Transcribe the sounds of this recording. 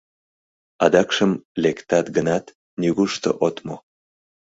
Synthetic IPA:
ɑd̪ɑkʃəmlekt̪ɑt̪ɡənɑt̪ | nyɣuʃt̪o̰ʔot̪mo

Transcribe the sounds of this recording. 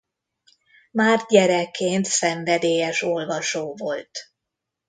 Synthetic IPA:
maːr̚ɟɛɾɛkːeːnt̪sɛɱvɛd̪eːjɛʃo̞lvɒʃoːvo̞lt̪

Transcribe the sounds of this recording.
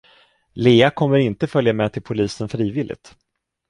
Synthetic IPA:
leːakʰɔmːəɾɪnt̪əfœljamɛt̪ʰɪlpʰʊliːsənfɾiːvɪlʔɪ̰t̪

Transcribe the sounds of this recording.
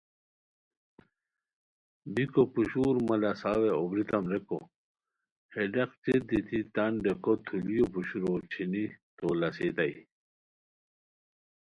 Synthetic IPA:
bikopuɕuːɾmɐlɐsaːweobɾit̪ɐmɾeko | heɖɐqt͡ɕed̪it̪ʰit̪ɐɳɖekot̪ʰulijopuɕuɾot͡ɕʰinit̪oːlɐset̪ai

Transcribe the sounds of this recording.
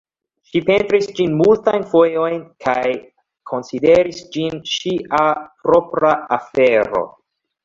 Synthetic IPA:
ʃipe̞ntɾisd͡ʒinmultajnfo̞jo̞jnkʰaj | kʰo̞nside̞ɾisd͡ʒinʃiʔapɾʔo̞pɾaafe̞ɾo̞̰

